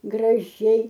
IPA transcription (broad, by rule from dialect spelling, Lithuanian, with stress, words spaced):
ɡrɐˈʒʲɛɪ